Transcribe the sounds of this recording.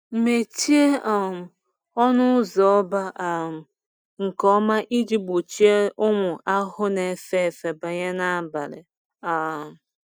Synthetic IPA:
m̩˨me˨ti˦e˦ʔɔ˨m̩˨ | ɔ˦nʊ˦zɔ˨ɔ˦ba˦ʔm̩˨ | ŋ̩˨kɔ˦ma˦ʔi˦d͡ʒi˦ɡ͡bo˨t͡ʃi˦e˦ʔʊ˦ŋʊ˨ʔa˦ɦʊ˦ne˨fe˦˨fe˨ba˨ɲe˦na˦a˦ba˨ɾɪ̰˨ | a˨m˨

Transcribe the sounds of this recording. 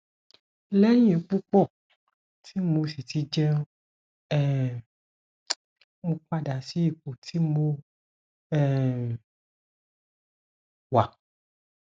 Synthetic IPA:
lɛ˦j̃ĩ˨˦k͡pu˦k͡pɔ˦˨ | tʰi˨˦mo˧si˨ti˧d͡ʒɛ˦ | ɛ˦˨ | mo˧k͡pa˧da˨si˦i˦˨k͡po˨tʰi˨˦mo˧ | ɛ˦˨ | wa˨

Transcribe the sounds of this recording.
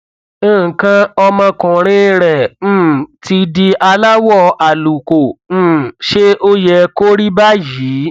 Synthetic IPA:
kã˦ɔ˧mã˧kʊ̃˨ɾ̃ĩ˦ɾɛ̃˨˦˨ti˧di˧ʔa˧la˦wɔ˦˨a˨lu˨kõ˨˦˨ | ʃe˦ʔo˦jɛ˧ko˦ɾi˦ba˦jiː˨˦

